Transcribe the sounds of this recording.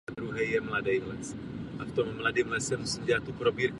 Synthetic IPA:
ad̪ɾuɦɛjjɛmladɛjmlɛt͡s | ʔaft̪omːladɪmlɛsɛmusiːmdaat̪ːupɾobiːɾk

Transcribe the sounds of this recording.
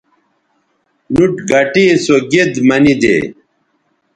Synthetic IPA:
nuʈɡɐʈisoɡed̪mɐnid̪ḛ

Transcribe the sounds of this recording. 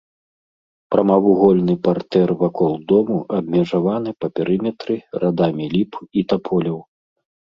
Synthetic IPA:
pɾɐmavuɣɔlʲnɨpart̪ɛrvakɔlˠd̪ɔmuʔɐb̚mʲɛʐavanɨpɐpʲɛɾɨmʲɛt̪ɾɨrʔad̪amʲilʲipit̪apʰɔlʲɐw

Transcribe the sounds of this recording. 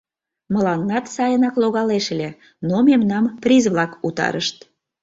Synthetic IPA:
məlɑnːɑt̪sɑjənɑkloɣɑleʃlʲe | nomemnɑmprʲizβlɑkut̪ɑ̰ɾəʃt̪

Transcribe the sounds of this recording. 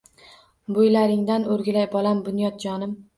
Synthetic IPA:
bojlaɾɪŋd̪anoɾɡʲɪlajbɒlambʊnjɒt̪̚d͡ʒɒnɪm

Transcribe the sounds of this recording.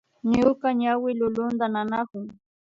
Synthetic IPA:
ɲʊkaɲawɪlʊlʊnd̪ananakʊŋ

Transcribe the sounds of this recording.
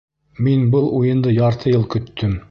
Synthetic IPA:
minbɤlˠujɤ̆nd̪ɤjɑɾt̪ʰɤjɤlˠkɵ̆t̪ʰːɵm

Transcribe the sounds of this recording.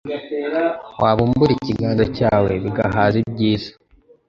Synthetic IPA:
wʔaːβumbuɾiciɡaːndacaːwe̞βiɡaɦazib̚ɟiːzḁ

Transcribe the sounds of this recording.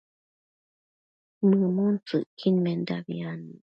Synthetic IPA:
mɨmɔn̩t͡sɨʔkʰinmɛnda̰bḭanɨ

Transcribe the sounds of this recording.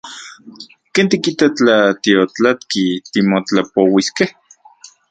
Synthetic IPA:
keːnt̪ikit̪at͡ɬat̪iot͡ɬat̪kit̪imot͡ɬapowiskeh

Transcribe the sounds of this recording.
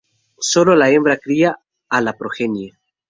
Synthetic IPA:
so̞lolaembɾakɾiaː | lapɾoxenje

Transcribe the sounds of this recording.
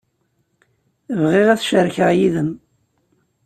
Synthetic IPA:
vʁeʁæθʃəɾçəʁjiðəm

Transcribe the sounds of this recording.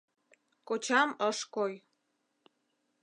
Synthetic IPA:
kot͡ɕɑməʃkoj

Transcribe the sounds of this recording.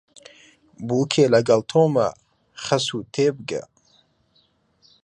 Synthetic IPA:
buːkʰeːlɐɡɐlt̪ʰoːmɐ̰ | χɐsuːt̪ʰeːbɨɡɐ̰

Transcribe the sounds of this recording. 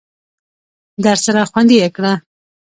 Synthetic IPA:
d̪aɾsaɾaxwand̪ijekɽa

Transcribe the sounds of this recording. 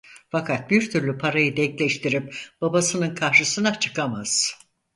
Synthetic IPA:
fakʰat̪̚biɾt̪ʰyɾlʲypʰaɾajɯd̪ɛklʲɛʃt̪ʰiɾip̚b̥abasɯnɯnkʰaɾʃɯsɯnat͡ʃʰɯ̥kamaz̥

